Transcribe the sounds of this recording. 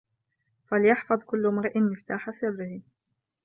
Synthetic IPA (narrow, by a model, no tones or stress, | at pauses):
faljɑħfɑd̪ˤkʊlːmɑɾˤʔɪnmɪft̪aːħasɪrːɪhi